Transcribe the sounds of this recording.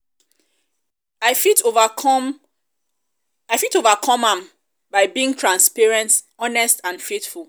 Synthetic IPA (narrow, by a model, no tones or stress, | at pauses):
aɪtv | aɪfitovakʰɔ̃mãm | baɪbiĩŋtʰɹãnspɛɹɛ̃nt | ɔnɛstãnfetfulˠ